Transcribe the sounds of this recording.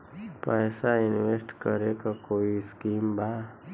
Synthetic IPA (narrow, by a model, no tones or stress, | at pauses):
pɛːsaɪnwesʈkəɾekakoːiskiːmba